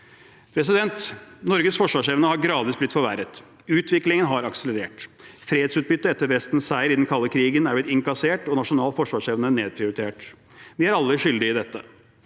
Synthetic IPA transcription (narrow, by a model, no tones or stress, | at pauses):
pʰɾɛsɪd̪ɛnt̪nɔɾɡəsfɔʂʋɑːʂɛːʋənəhɑɾɡɾɑːd̪ʋɪsblɪt̪fɔɾʋæɾət̪ | ʉːt̪ʰʋɪklɪŋənɦɑɾɑksələɾeːʈfɾeːed̪sʉːt̪̚bʏt̪ːəɛt̪ːəɾʋɛst̪n̩sæɪɾɪd̪ɛnkʰɑlːəkʰɾiːɡənæblɪt̪ɪŋkɑseːʈɔnɑʂʊnɑːlfɔʂʋɑːʂɛːʋənəneːd̪̚pʰɾɪʊɾɪt̪ʰeːʈ | ʋɪæɾɑlːəʂʏld̪ɪɪd̪ɛt̪ːə̰